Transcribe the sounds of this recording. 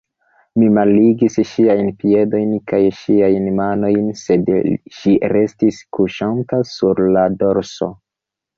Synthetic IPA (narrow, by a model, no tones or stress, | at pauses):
mimaliɡisʃiajnpie̞do̞jnkajʃiajnmano̞jnse̞dʃiɾe̞stiskuʃantasuɾlado̞ɾso̞̰